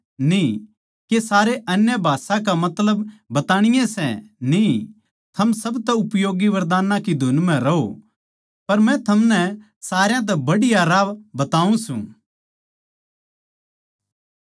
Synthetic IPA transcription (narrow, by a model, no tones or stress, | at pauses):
ni | kesaːɾeʔɐnjəbʱaːsãk̬amɐt̪ləbːɐt̪aːɽ̃ɪjẽsɛ̰̃ni | t̪ʰɐmsɐbt̪ɛʊpjoːɡiʋɐɾd̪aːnãkid̪ʱʊnmɛ̃ɾɐɦo̰ | pɐɾmɛ̃t̪ʰɐmnɛ | saːɾjãt̪̬ɛbɐɽɪjaɾaːʋbɐt̪aːũsṵ̃ː